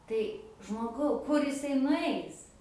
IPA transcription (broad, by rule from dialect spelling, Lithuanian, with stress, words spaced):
tɐɪ ʒmoːˈɡɐʊ kʊr jɪˈsɐɪ nʊˈɐɪs